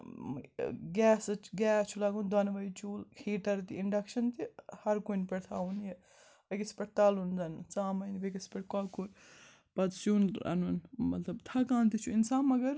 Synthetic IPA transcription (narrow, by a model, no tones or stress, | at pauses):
ɡɛːsɐt͡ʃɡɛːt͡ʃʰulaːɡund̪ɐnʋɐjt͡ʃuːlheːʈɐɾt̪iiɳɖɐkʃɐnt̪ihɐɾkunpeɽt̪ʰa̰ːunje | ɐkispeʈ̚t̪aːlund͡zɐnt͡saːmɐjnbekispeʈ̚kɔːkuɾ | pɐd̪sjuːnɐ̰nunmɐt̪lɐbt̪ʰakãːnt̪it͡ʃʰuinsaːnmɐɡɐɾ